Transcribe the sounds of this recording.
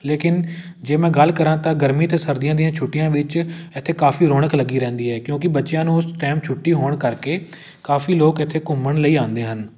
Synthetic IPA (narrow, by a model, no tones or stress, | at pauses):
leːkɪn | d͡ʒeːmɛ̃ːɡəlkəɾãːt̪ãːɡəɾmiːt̪eːsəɾd̪ijãːd̪ijãːt͡ʃʰʊʈːɪjãːʋɪt͡ʃɪt̪ʰːeːkaːfʰiːɾoːɽ̃əkləɡiːɾɛ̃ːnd̪iːɦɛːkjõːkɪbətːʃɪjãːnũːʊsʈɛːm̚t͡ʃʰʊʈːiːɦoːɳkəɾkeː | kaːfiːloːkɪt̪ʰːeːkʊməɳləiːãːnd̪eːɦən